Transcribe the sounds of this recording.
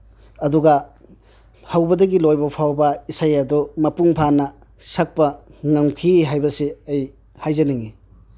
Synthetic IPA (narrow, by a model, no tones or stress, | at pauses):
ɐduɡɐ | hawbɐdɐɡilojbɐpʰawbɐisajɐdumɐpuŋpʰanɐ | sak̚pɐŋaŋkʰiɦajbɐsiej | hajzɐniŋi